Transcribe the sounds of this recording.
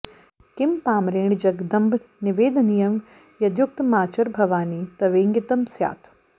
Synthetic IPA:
kɪmpaːmɾeːɳ̃d͡ʒɐɡd̪ɐmbʱnɪʋeːd̪nijɐm | jɐd̪jʊk̚t̪maːt͡ʃɐɾbʱɐʋaːniːt̪ɐʋeːŋɡɪt̪ɐmsja̰ːt̪ʰ

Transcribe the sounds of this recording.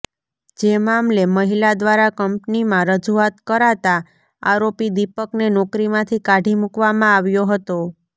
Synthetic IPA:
d͡ʒemamleməɦilad̪ʋaɾakəmpnimãɾəd͡ʒuat̪kəɾat̪a | a̰ɾopid̪ipəknenɔkɾimãt̪ʰikaɖʱimukʋamãaʋjoɦət̪o

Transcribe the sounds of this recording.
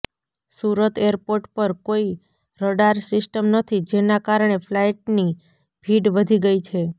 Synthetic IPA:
suɾət̪eəɾpoɾʈpəɾkoi | ɾəɽaɾsɪsʈəmnət̪ʰid͡ʒenakaɾɳ̃eflajʈ̚ni | bʱiɖʋəd̪ʱiɡəit͡ʃʰe

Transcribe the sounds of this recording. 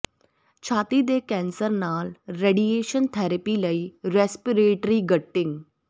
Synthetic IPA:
t͡ʃʰaːt̪id̪eːkɛ̃ːnsəɾnaːlɾeːɖieːʃənt̪ʰɛːɾəpiːləiːɾɛːspiɾeːʈɾiːɡəʈːɪŋɡ

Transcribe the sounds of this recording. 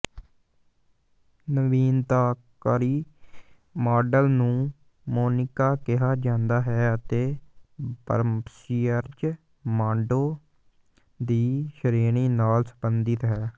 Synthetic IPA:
nəʋiːnt̪aːkəɾiː | maːɖəlnũː | moːnɪkaːkɪɦaːd͡ʒãːnd̪aːɦɛːət̪eː | pə̰ɾmsiːəɾd͡ʒ | mãːɳɖoː | d̪iːʃəɾiːɳiːnaːlsəbənd̪ɪt̪ɦɛː

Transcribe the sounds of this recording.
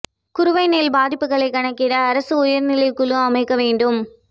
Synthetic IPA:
kʊɾʊʋɐɪneːlbaːðɪpːɯɣɐɭɐɪkɐɳɐkːɪɾɐːɾɐsɯʊjɐɾnɪlɪkɯɭɯɐmɐɪkːɐʋeːɳɖɯm

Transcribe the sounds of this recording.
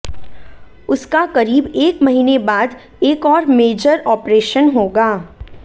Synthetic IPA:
ʊskakɐɾiːbeːkmɐɦiːnebaːd̪ | eːkɔːɾmeːd͡ʒəɾɔːpɾeːʃənɦoːɡaː

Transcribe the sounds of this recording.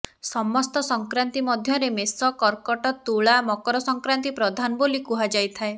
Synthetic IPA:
sɔmɔst̪ɔsɔŋkɾant̪imɔd̪ʱjɔɾemesɔkɔɾkɔʈɔt̪uɭamɔkɔɾɔsɔŋkɾant̪ipɾɔd̪ʱanɔbolikuɦad͡ʒajt̪ʰae

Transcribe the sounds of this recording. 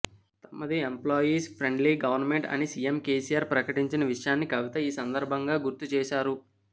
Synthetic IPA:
t̪ɐmːɐd̪iemploːjiːspʰɾe̞ɳɖliːɡɐʋɐɾnme̞ɳʈɐ̰nisijemke̞ːsijaːɾpɾɐkɐʈiɲt͡ʃinɐʋiʂɐjaːnːikɐʋit̪ɐiːsɐnd̪ɐɾbʱɐŋɡaːɡuɾt̪ut͡ʃɛːʃaːɾu

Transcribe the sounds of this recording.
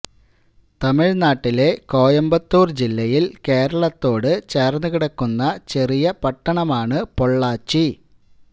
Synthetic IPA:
t̪ɐmiɻnaːʈːile̞ko̞ːjɐmbɐt̪ːuːrd͡ʑilːɐjilke̞ːɾɐɭɐt̪ːo̞ːɽɨt͡ɕeːrnuɣiɽɐkːunːɐt͡ɕe̞rijɐpɐʈːɐɳɐmaːɳɨpo̞ɭːaːt͡ɕːi

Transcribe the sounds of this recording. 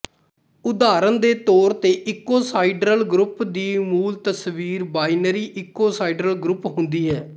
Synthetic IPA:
ʊd̪aːɾənd̪eːt̪oːɾt̪eːʔɪkoːsaːiɖɾəlɡɾʊpd̪iːmuːlt̪əsʋiːɾbaːinəɾiːʔɪkoːsaːiɖɾəlɡɾʊpɦʊnd̪iːɦɛː

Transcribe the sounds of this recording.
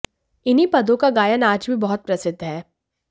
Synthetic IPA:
ɪnɦipɐd̪õkaɡaːjənaːd͡ʒbʱibɐɦʊt̪̚pɾɐsɪd̪ʱːɦɛː

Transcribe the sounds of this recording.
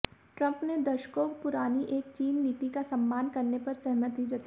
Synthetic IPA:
ʈɾɐ̃mpned̪ɐʃkopʊɾaːniʔeːk̚t͡ʃiːnːit̪ikasɐ̃mːaːnkɐɾnepɐɾsɛɦmət̪ɦid͡ʒɐt̪i

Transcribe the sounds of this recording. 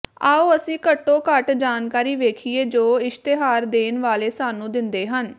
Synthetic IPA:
aːoːəsĩːkəʈːõːkəʈd͡ʒaːnkaːɾiːʋeːkʰieːd͡ʒoːɪʃt̪eɦaːɾd̪eːnʋaːleːsaːnũːd̪ɪnd̪eːɦən

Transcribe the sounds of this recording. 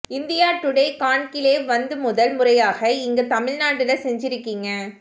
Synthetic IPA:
ɪnd̪ɪjaːʈːʊɽeːkaːɳkɪleːʋɐnd̪ɯmʊðɐlmʊrɐjaːɣɐɪŋɡɐt̪ɐmɪɻnaːʈɪlɐsɛɲd͡ʒɪɾɯkːiŋɡɐ

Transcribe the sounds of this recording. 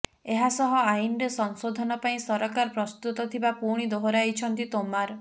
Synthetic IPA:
eɦasɔɦɔajnɾesɔŋsod̪ʱɔnɔpaĩsɔɾɔkaɾɔpɾɔst̪ut̪ɔt̪ʰibapuɽ̃id̪oɦoɾajt͡ʃʰɔnt̪it̪omaɾɔ

